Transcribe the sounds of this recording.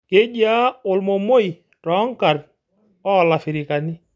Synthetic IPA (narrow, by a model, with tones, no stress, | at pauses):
ke˦d͡ʒa˦ʊ˨lmo˨mo˦i˨ | tɔ˨˦ŋ˦ka˨r | ɔ˦˨la˨fi˨ɾɪ˨ka˨ni˦